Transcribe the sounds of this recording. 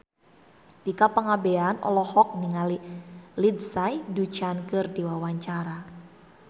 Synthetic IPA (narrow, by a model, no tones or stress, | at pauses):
d̥ikapəŋabeanɔ̰lɔhɔk̚niŋalilidsajdut͡ʃankɨrdiwawaɲt͡ʃaɾa